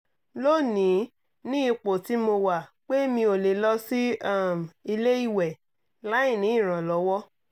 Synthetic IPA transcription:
lo˦˨nĩ˨˦ | nĩ˦i˧k͡po˨ti˨˦mo˧wa˨k͡pe˦mĩ˧o˨le˨lɔ˦si˦a˦˨m˨i˧le˦i˦˨wɛ˨ | la˨˦ĩ˦˨nĩ˨˦ĩ˦˨ɾ̃ã˨lɔ˨˦wɔ˦

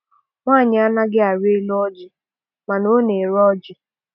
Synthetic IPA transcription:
ŋʷa˦˨ɲɪ˨a˦na˦ɡɪ˦a˨ɾe˦lʊ˦ɔ˦d͡ʒɪ˨ | ma˨no˦ne˨ɾɔ˦d͡ʒɪ˨

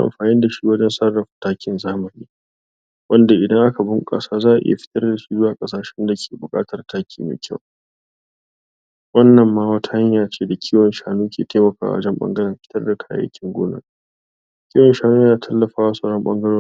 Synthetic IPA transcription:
ʔa̰˨mɸaː˨nɪ˦nda˨ʃi˦wɐ˦d͡ʒɛ˦nsɐ˦rɐ˨ɸtaː˦kʲɪ˨nzaː˦mɐ˨niː˦ | wʔɐ˦nda˨ʔɪ˨dɐ˦ŋʔa˦ka˨bʊ˦ŋkʼa̰˨˦saː˦zaː˦ʔʔɪ̰˦ja̰˨ɸɪ̥˦tɐ˦rda˨su˦zʊ˦waː˨kʼɐ˦s̬aː˨ʃɛ˦nda˨kʲʰe̥ː˨bʊ˨kʼa̰ː˦tɐ˨rtaː˦kʲʰiː˨mḛː˨kʲʰɐ˦˨w | wɐ˦nːɐ˨mːaː˦wɐ˦tʰa˦ha˦ɲjaː˨t͡ʃeː˦da˨kʲʰiː˦wɐ˨nʃaː˨nuː˦kʲḛː˨teː˦mɐ˨ka̰ː˨wa̰˦d͡ʒɛ˦mɓɐ̰˦ŋɡɐ˦ɽɐ˨mɸɪ̥˦tɐ˦rda˨kʰa̰ː˦jɐ̰˦kʲɪ˦ŋɡʷo̰ː˦nɐ̰˦ | kʲiː˦wɔ˨nʃaː˨nuː˦jaː˦tʰɐ˦lːɐ˨ɸaː˦wa˦sɐ˨ɽɔ˦mɓɐ̰˦ŋɡɐ˦ɽoː˦

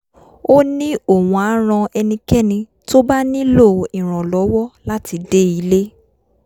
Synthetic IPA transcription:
o˦nĩ˦o˨wũ˨a˨˦ɾ̃ɔ̃˧ɛ˧nĩ˧kɛ˦nĩ˧ | to˦ba˦nĩ˦lo˦˨ĩ˨ɾ̃ɔ̃˨lɔ˨˦wɔ˦la˦ti˧˦de˦i˧˦le˦

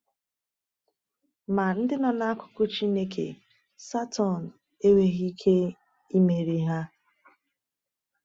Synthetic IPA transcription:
ma˨n̩˦dɪ˦nɔ˨na˦a˦kʊ̥˦kʊ˦t͡ʃi˦ne˦kʰḛ˨ | sa˦tʰɔ˨n̩˨ | e˦we˦ɣi˦kʰe˦ | i˦me˨ɾi˨ɦa˦

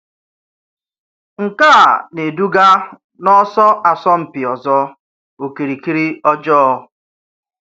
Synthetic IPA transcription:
ŋ̩˨kaː˦˨ne˨du˦ɡa˦ | nɔ˦sɔ˦ʔa˨sɔ˦m̩˨pɪ˨ɔ˨zɔ˦ | o˨ki˨ɾi˨ki˦ɾi˦ɔ˦d͡ʒɔ˦ɔ˦

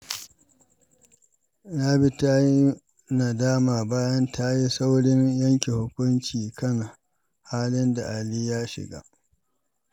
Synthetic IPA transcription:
na˦bi˦ta˦ji˦ | na˨daː˦maː˨baː˦jɐ˦ntʰa˦ji˦sa˦wɽɪ˦ɲjɐ˦ŋkʲi˨hʊ˦kʷʊ˦nt͡ʃiː˨kɐ˦na˨ | haː˦lɪ˦nda̰˨ʔa˨liː˦jaː˦ʃɪ̰˨ɡa̰ː˦ʔ

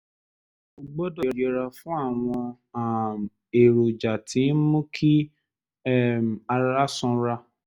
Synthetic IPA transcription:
u˧˨ɡ͡bɔ˦dɔ˨ɾe˨ɾa˧fũ˦a˦˨w̃ɔ̃˧ | a˨ | e˨ɾo˨d͡ʒa˨tʰĩ˨˦n˦mũ˦kʰi˦˨ | a˧ɾa˦sɔ̃˧˦ɾa˧

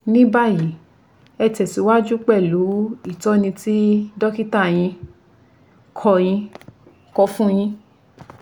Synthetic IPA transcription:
nĩ˦ba˦˨ji˨˦ | ɛ˧tɛ˨si˨˦wa˦d͡ʒu˦k͡pɛ˦˨lu˨˦i˦˨tɔ˦nĩ˧ti˦dɔ˦ki˦ta˦˨j̃ĩ˧ | kʰɔ˧j̃ĩ˧ | kɔ˧fũ˦j̃ĩ˧

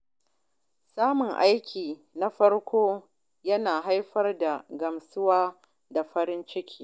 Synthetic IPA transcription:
saː˦mʊ˨ŋʔa˦jkʲiː˨na˦ɸɐ˦rkʷoː˦ | jɐ˦naː˨ɦa˦jɸɐ˦rda˨ɡɐ˨msʊ˦waː˦ | da˨ɸɐ˦ɾɪ˦nt͡ʃɪ˦kʲʰi̥ː˦˨

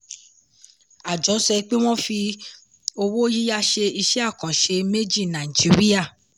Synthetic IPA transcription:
a˨d͡ʒɔ˨˦sɛ˧k͡pe˦w̃ɔ̃˦fi˧ | o˧wo˦ji˦ja˦ʃe˧i˧ʃɛ˦a˦˨kɔ̃˨ʃe˧me˦d͡ʒi˦˨nã˨i˨d͡ʒi˨˦ɾi˦a˦˨

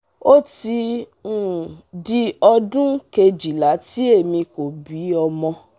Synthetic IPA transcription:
o˦ti˧ũ˦˨di˧ɔ˧dũ˦ke˧d͡ʒi˨la˨˦ti˦e˦˨mĩ˧ko˨bi˨˦ɔ˧mɔ̃˧

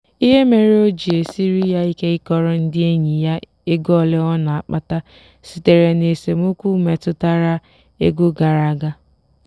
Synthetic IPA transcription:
i˦ɦe˦me˨ɾe˦o˦d͡ʒi˨e˨si˦ɾi˦ja˦i˦ke˦ɪ˦kɔ˦ɾɔ˦n̩˦dɪ˦e˦ɲi˨ja˦ | e˦ɡɔ˦˨lɪ˦ɔ˦na˨a˨k͡pa˦ta˦ | si˨te˨ɾe˨ne˨se˨m˦o˦kʷu˦me˨tʊ˦ta˦ɾa˦ | ḛ˦ɡo˦ɡa˨ɾa˦˨ɡa˦

